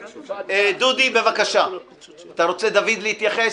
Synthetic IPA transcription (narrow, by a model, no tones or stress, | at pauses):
d̪ud̪ibe̞vakaʃa | at̪aʁo̞t͡sed̪avid̪leit̪jaχe